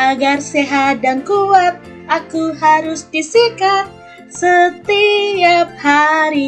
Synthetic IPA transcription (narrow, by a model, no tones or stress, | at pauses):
ʔaɡarseɦadaŋkuwat̪̚ | akuɦaɾʊsdisikat̪̚ | sət̪iap̚haɾi